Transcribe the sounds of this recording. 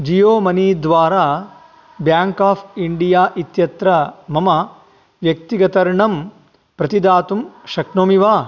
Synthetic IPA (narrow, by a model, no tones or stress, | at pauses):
d͡ʒijoːmɐniːd̪ʋaːɾaː | bjaːŋkaːpʰiɳɖijaːʔit̪jɐt̪ɾɐmɐmɐ | ʋjɐk̚t̪iɡɐt̪ɐɾɳɐm | pɾɐt̪id̪aːt̪umʃɐknoːmiʋaː